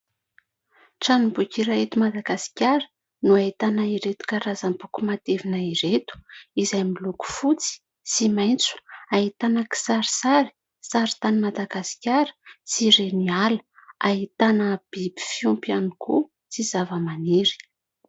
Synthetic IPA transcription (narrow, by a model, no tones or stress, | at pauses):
ʈ͡ʂanubukʲiɾait̪umad̪aɡasi̥kʲaɾə̥ | nuait̪anaiɾet̪u̥kaɾazambukumat̪evinaiɾet̪u̥izajmiluku̥fut͡si̥ | simajnt͡su̥ait̪anəki̥saɾisaɾi̥ | saɾi̥t̪animad̪aɡasi̥kʲaɾə̥siɾenialə̥ait̪anəb̥ibi̥fiumpianikṵ | t͡sizavəmaniɾi̥